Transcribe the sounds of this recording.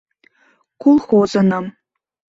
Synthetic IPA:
kulˠxozɤ̆nɑ̆m

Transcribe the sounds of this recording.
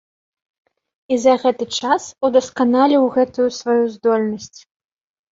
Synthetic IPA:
izɐɣɛt̪ɨt͡ʂasud̪ɐskanalʲiwɣɛt̪ujusvajuzd̪ɔlʲnɐsʲt͡sʲ

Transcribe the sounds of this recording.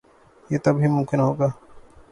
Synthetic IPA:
jeːt̪ɐbʱɦimʊ̃mkɪnɦoːɡaː

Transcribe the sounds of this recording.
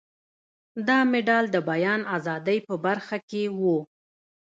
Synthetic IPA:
d̪ɑmɪɖɑld̪əbajɑnazɑd̪əjpəbaɾxakewu

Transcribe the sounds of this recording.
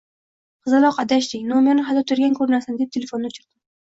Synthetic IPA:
χɨzɨlˠɒqʰɑd̪aʃd̪ɪknomjɒnɪɦad̪ɒt̪ʰʊɾɡʲankʰɵɾnasand̪e̞p̚t̪ʰelʲefo̞nːɪʊt͡ʃʰʊɾd̪ɪm

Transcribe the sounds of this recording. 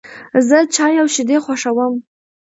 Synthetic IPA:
zɨt͡ʃʰajawʃideχʷaʂawəm

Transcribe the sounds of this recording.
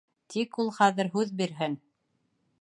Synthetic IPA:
t̪ʰikulˠχæðɘ̆ɾɦʉðbiɾɦɘn

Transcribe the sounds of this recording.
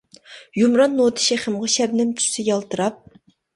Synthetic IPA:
jumɾɑnːot̪ʰɨ̥ʃeχəmʁɑʃɛbnɪnt̪ʰu̥sɪjɑlˠt̪ɨɾɑp̚

